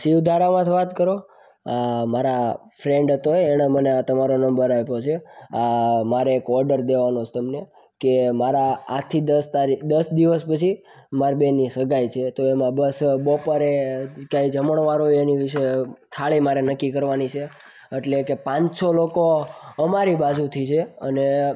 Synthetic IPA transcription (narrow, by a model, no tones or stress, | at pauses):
ʃiʋd̪ʱaɾamãt̪ʰʋat̪kəɾo | amaɾafɾẽɳɖət̪oːɽ̃aməneat̪əmaɾonəmbəɾapot͡ʃʰeamaɾeːkɔɾɖəɾd̪eʋanot͡ʃʰe̥t̪əmne | kemaɾaːt̪ʰid̪əst̪aɾid̪əsd̪iʋəspət͡ʃʰi | maɾbenisəɡʱajt͡ʃʰet̪oemãbəsbopəɾekjaid͡ʒʱəməɳ̃ʋaɾoeniʋiʃet̪ʰaɭimaɾenəkːikəɾʋanit͡ʃʰe | eʈlekepãɲsolokoəmaɾibad͡ʒũt̪ʰit͡ʃʰeə̰ne